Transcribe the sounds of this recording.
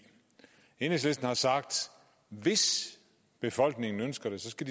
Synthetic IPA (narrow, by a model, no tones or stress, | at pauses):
enesle̝sd̥n̩hɑ̈sɑ̈ɡ̥̚d̥ | ʋe̝s | b̥e̝fɒ̽l̰ɡ̥ne̝ŋn̩ønsɡ̥ɐɾ̥e̝sɒ̽sɡ̥æd̥i